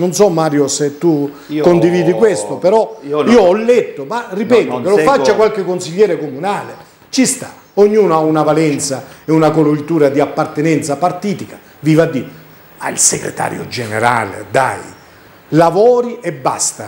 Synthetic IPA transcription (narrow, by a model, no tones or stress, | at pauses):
nonsɔmːaːɾjoset̪ːu | kond̪iviːd̪ikwest̪opeɾɔiːoɔlːɛt̪ːomarːipɛːt̪okelofat͡ʃːakwalkɪkːonsiʎːɛːɾekomunaːle | t͡ʃist̪a | oɲːuːnoaunavalɛnt̪saeunakolult̪uːɾad̪iapːart̪enɛnt̪sapart̪iːt̪ikḁ | vivad̪ːi | ma̰ḭlseɡɾḛt̪a̰ːɾjo̰d͡ʒeneɾa̰ːlḛd̪a̰j | lavɔːɾiʔɛbːa̰st̪a